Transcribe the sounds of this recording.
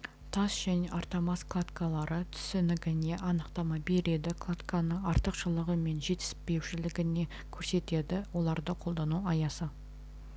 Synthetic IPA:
t̪ʰɑsʒ̥æne̞ʔɑɾt̪ɑmɑsklˠat̪kalˠɑɾət̪ʰʏ̥sɪnɪɡʲɪne̞ʔɑnəqt̪ɑmɑbe̞ɾe̞d̪ɪkʰlˠat̪kanəɑɾt̪əqʒəlˠəʁəme̞nʒe̞t̪ɪ̥spe̞wʃɪlɪɡʲɪne̞ | kʲʰɵɾse̞t̪e̞d̪ɪwo̞lˠɑɾd̪əqʰo̞lˠd̪ɑnuɑjɑsə

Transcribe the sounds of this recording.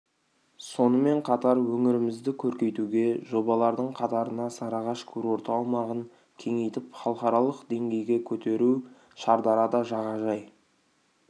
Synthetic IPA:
so̞nəme̞ɴqʰɑt̪ɑɾwɵŋɪɾɪmɪzd̪ɪkʲʰɵɾkʲe̞jt̪uɡʲe̞ʒo̞bɑlˠɑɾd̪əɴqʰɑt̪ɑɾənɑsɑɾɑʁɑʃkʲʰuɵɾo̞ɾt̪ɑːlˠmɑʁəŋ | kʲʰe̞ŋe̞jt̪ɪpχɑlˠqɑɾɑlˠəqd̪e̞ŋɡʲe̞jɡʲe̞kʲʰɵt̪e̞ɾu | ʃɑɾd̪ɑɾɑd̪ɑʒɑʁɑʒɑj

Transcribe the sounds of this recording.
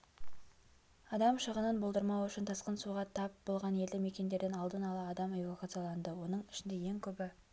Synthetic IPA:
ɑd̪ɑmʃəʁənənbolˠd̪əɾmɑwʏʃɪnt̪ʰɑsqənsuʁɑt̪ʰɑp̚bo̞lˠʁɑne̞ld̪ɪme̞kʲe̞nd̪e̞ɾd̪enɑlˠd̪ənɑlˠɑːd̪ɑme̞vokat̪sɨijalˠɑnd̪əwo̞nəɴɪ̥ʃɪnd̪e̞je̞ŋkʲʰɵbɪ

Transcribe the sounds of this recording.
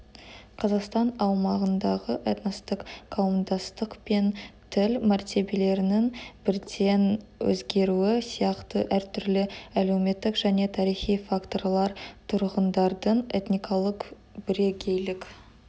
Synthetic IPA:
qʰɑzɑqst̪ɑnɑwmɑʁənd̪ɑʁəʔet̪nɑst̪əqqʰɑwəmd̪ɑst̪əqpe̞nt̪ʰɪlmæɾt̪e̞be̞le̞ɾɪnɪŋbɪɾd̪e̞nwɵ̰zɡʲe̞ɾuɪsijɑqt̪əʔæɾt̪ʰʏɾlɪæle̞wme̞t̪ːɪkʒ̥æne̞t̪ʰɑɾijχijfakt̪o̞ɾlˠɑɾt̪ʰʊɾʁənd̪ɑɾd̪əɴḛt̪nʲijkʰɑlˠəq | bɪɾe̞ɡʲe̞jlɪkʲ

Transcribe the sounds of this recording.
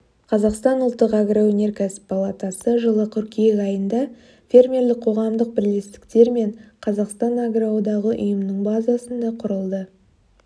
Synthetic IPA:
qʰɑzɑqst̪ɑnʊlˠt̪ːəqaɡrawɵne̞ɾkʲʰæsɪ̥ppalˠat̪ɑsəʒəlˠəqʲʰʏɾkʲijekɑjənd̪ɑ | fʲe̞rmʲe̞rlɪk̚qʰo̞ʁɑmd̪əq̚bɪɾlest̪ɪ̥kt̪e̞ɾme̞ɴqʰɑzɑqst̪ɑnaɡɾawd̪ɑʁəʔʊ̰jəmnəɴbɑzɑsənd̪ɑqʰʊɾəlˠd̪ə

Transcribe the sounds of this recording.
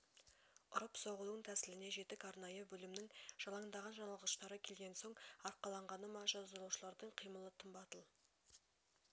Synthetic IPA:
ʊɾəpso̞ʁəlˠəɴt̪ʰæsɪlɪne̞ʒe̞t̪ɪkɑɾnɑjəbɵlɪmnɪŋʒ̥ɑlˠɑŋd̪ɑʁɑnʒɑnɑlˠʁəʃt̪ɑɾəkʲʰe̞lɡʲe̞nso̞ɴɑɾqɑlˠɑɴʁɑnəmɑʒɑzd̪əɾˠuwʃəlˠɑɾd̪əɴqʰijməlˠət̪ʰəmbɑt̪əlˠ

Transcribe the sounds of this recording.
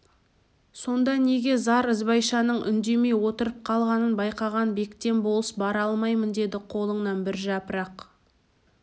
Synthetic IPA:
so̞nd̪ɑne̞ɡʲe̞zɑɾəzbɑjʃɑnəɴʔʏ̰nd̪e̞me̞jwo̞t̪əɾəp̚qʰɑlˠʁɑnənbɑjqɑʁɑnbe̞kt̪e̞nbo̞lˠəsbɑɾɑlˠmɑjmənd̪e̞d̪ɪqʰo̞lˠəɴnɑnbɪɾʒɑpəɾɑq

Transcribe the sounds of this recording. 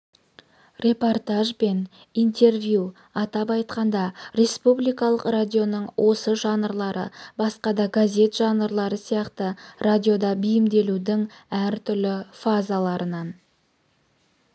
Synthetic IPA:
rʲe̞po̞rt̪aʒbe̞n | ijnt̪e̞rvju | ɑt̪ɑpɑjt̪qɑnd̪ɑɾe̞spublijkɑlˠəqradʲio̞nəɴwʔo̞səʒɑnəɾlˠɑɾə̰bɑsqɑd̪ɑɡazʲe̞t̪ʒɑnəɾlˠɑɾəsijɑqt̪əradʲio̞d̪ɑbijɪmd̪e̞lud̪ɪŋæɾt̪ʰʏɾlɪfazalˠɑɾənɑn

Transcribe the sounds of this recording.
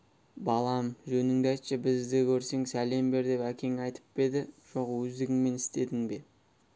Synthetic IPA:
bɑlˠɑmʒɵnɪŋd̪ɑjt̪ʃəbɪzd̪ɪkʲʰɵɾse̞ŋsæle̞mbe̞ɾd̪e̞pækʲe̞ŋɑjt̪ʰə̥p̚be̞d̪ɪʒ̥o̞qwɵzd̪ɪɡʲɪŋme̞nɪst̪e̞d̪ɪŋbe̞

